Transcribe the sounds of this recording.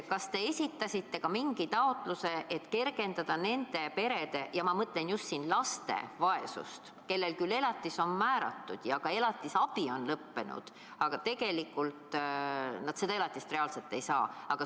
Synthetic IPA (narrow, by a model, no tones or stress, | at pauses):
kɑst̪e̞esʲit̪ːˑɑsʲit̪ːe̞kɑmiŋɡ̥it̪ɑo̞t̪ˑluse̞ʔet̪ke̞rɡe̞nd̪̥ɑd̪̥ɑne̞nd̪̥e̞pe̞ɾe̞d̪̥e̞jɑmɑmɤt̪ˑle̞njust̪siːnlɑst̪e̞̰vɑe̞sṵst̪ | ke̞lːe̞lkylːe̞lɑt̪ːˑiso̞nmæːɾɑ̰t̪ːud̪̥jɑɡ̥ɑe̞lɑt̪ːˑisɑb̥io̞nlɤpːe̞nṵd̪̥ | ɑɡ̥ɑt̪e̞ɡ̥e̞likːˑult̪ | nɑd̪̥se̞d̪ɑe̞lɑt̪ːˑist̪reɑlselt̪ːˑe̞jsɑ̰ːɑɡ̥ɑ